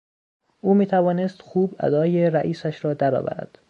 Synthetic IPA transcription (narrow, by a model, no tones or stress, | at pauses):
ʔuːmiːt̪ʰævɒːnest̪xuːbæ̰d̪ɒːjeɾæʔiːsæʃɾɒːd̪æɾɒ̰ːvæ̰ɾæ̰d̪̥